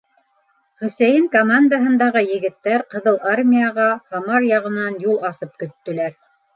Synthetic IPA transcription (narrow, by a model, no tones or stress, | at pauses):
χɵ̆sæjɘŋkomand̪aɦɤ̆nd̪ɑʁɤjɘ̆ɡɘ̆t̪ːæɾqɤ̆ðɤlˠarmʲijɑʁɑhɑmɑɾjɑʁɤ̆nɑnjulˠɑsɤp̚kɵ̆t̪ːɵ̆læɾ